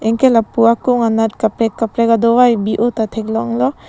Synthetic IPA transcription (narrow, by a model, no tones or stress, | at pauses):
eŋkelapuakuŋanatkapɾekːapɾeɡad̪ɔwajbiʔotatʰeklɔŋlɔ